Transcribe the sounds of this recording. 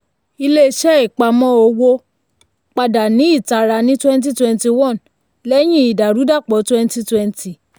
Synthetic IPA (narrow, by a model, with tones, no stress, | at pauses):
i˧le˦˧ʃɛ˦i˨k͡pa˧mɔ̃˦o˧wo˧ | k͡pa˧da˨nĩ˨˦i˦˨ta˧ɾa˧nĩ˦twɛ̃˦n˦t̬i˦twɛ̃˧nti˧wɔ̃˦˨n | lɛ˦j̃ĩ˦i˨da˨ɾu˨˦da˦˨k͡pɔ˨˦twɛ̃˦n˦ti˧twɛ̃˧nti˨